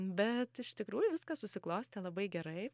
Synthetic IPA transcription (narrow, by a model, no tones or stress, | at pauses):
bʲɛt̪ɪʃt̪ʲɪkɾuːjʊʋʲɪskɐssʊsʲɪklˠoːsʲt̪ʲɛlˠɐbɐɪɡʲɛɾɐɪ